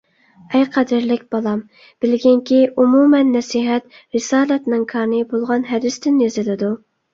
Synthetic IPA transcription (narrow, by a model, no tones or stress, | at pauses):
ɛjqʰæd̪ɪɾlɪkʲb̥ɑlˠɑm | b̥ɪlɡʲɪŋkʲʰiʔumumɛnːɛsiɦɛt̪ | ɾɪsɑːlɛt̪nɪŋkʰɑɾnɨbolˠʁɑnɦɛd̪ɪst̪ɪnjezɪlɪd̪u